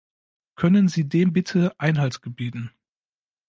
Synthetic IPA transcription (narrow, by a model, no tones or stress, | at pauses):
kʰœnənziːdeːmbɪtʰəʔaɪnɦaltsɡ̥əbiːtn̩